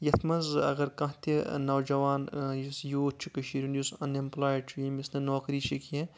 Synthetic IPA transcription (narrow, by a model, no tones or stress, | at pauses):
jɐt̪ʰmɐzɐ̰ɣɐɾkɐ̃ɦt̪ʰenɐwd͡ʒɐʋaːnjusjoːt͡ʃʰukɐʃiɾʲunjusɐnimplaːjɖt͡ʃʰujimisnɐnoːkɾiːʃikiẽ